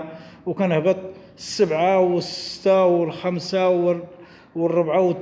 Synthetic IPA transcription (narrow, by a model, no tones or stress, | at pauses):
wkænhbæt̪ˤ | sːəbʕawəsɪ̥t̪ːawəlxamsaw | wərˤːʊbʕawət̪ː